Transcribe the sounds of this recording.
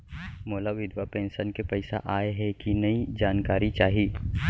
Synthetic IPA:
moːlaʋɪd̪ʱʋapẽːnsənkepɐɪsa̰ʔaːeɦɛkinɐid͡ʒaːnkaːɾit͡ʃaːɦiː

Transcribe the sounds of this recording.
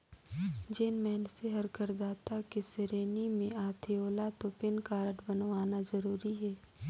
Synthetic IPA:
d͡ʒeːnmɛːnseɦɐɾkəɾd̪aːt̪akisɪɾeːnimẽaːt̪ʰeoːlat̪opɪnkaːɾəʈbɐnʋaːnazɐɾuːɾiɦɛː

